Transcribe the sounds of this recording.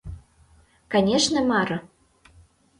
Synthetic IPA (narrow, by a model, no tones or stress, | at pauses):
kanʲeʃnɤ̆mɑɾɤ̆